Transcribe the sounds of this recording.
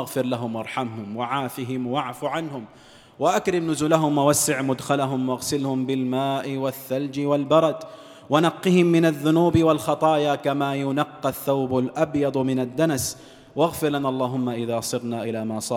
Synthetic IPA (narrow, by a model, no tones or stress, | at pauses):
aɣfɪɾlaɦʊmwɑɾˤħamɦʊmwaʕaːfɪɦɪmwaʕfuːʕanhʊm | waʔakɾɪmnʊzʊːlaɦʊmwawasːɪʕmʊd̪xalaɦʊmwaɣsɪlhʊmbɪlmaːʔɪwaθːald͡ʒɪwalbɑɾˤɑd̪ | wanɑqːɨhɪmːɪnaðːʊnuːbɪwalxɑt̪ˤɑːjaːkamaːjʊnɑqːɑθːawbalʔabjɑd̪ˤmɪnad̪ːanas | waɣfɪɾlanaʔɑlˤːɑːɦʊmːaʔɪðaːsˤɨɾnaːʔɪlaːmaːsˤɑ